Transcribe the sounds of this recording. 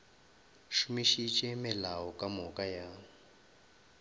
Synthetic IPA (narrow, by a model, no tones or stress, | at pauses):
ʃumiʃit͡ʃʼɛmɪlaɔkʼamɔkʼaja